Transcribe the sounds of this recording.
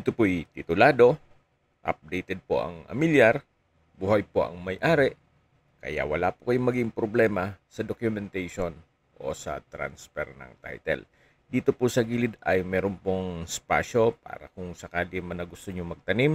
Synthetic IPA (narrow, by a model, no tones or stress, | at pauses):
t̪opoʔjt̪ɪt̪ʊlaːd̪o̞ | ʔɐ̰p̚d̪ɛjt̪ɛd̪̚po̰ʔɐ̰ŋɐ̰miljaɾ | buhɐjpoʔɐ̰ŋmɐjʔaːɾɛʔ | kɐ̰ja̰ʔwɐla̰pʊkɐjoŋmɐɡɪŋpɾoblɛːmɐsɐd̪okjʊmɛnt̪ajʃon | ʔo̞̰sɐ̰t̪ɾa̰nsfɛ̰ɾnɐ̰ŋt̪a̰jt̪ɛ̰l | d̪iːt̪opʊsɐɡiːlɪd̪ɐjmɛːɾonpoŋspa̰ːʃo̞pa̰ːɾɐ̰kʊŋsɐkaːlɪmɐnɐɡʊst̪oɲomɐɡ̚t̪ɐnim